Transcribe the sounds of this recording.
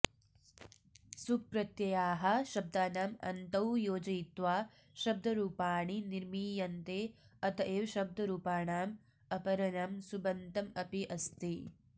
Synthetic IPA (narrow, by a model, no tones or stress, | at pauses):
supɾɐt̪jɐjaːɦɐ̆ʃɐb̚d̪aːnaːmɐ̰nt̪ɐwjoːd͡ʒɐjt̪ʋaː | ʃɐb̚d̪ʱɐɾuːpaːɳiniɾmiːjɐnt̪eːɐt̪ɐʔeːʋɐʃɐb̚d̪ʱɐɾuːpaːɳaːm | ɐpɐɾɐnaːmsubɐnt̪ɐmɐpiʔɐst̪i